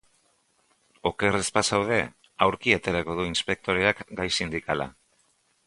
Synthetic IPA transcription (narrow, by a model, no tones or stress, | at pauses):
o̞ke̞respasawðe̞ | awɾkiat̪e̞ɾako̞ðuinspe̞k̚t̪o̞ɾeakɡajsind̪ikala̰